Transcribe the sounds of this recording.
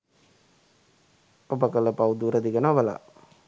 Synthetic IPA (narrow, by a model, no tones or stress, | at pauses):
obəkələpawud̪uɾəd̪iɡənʋəla̰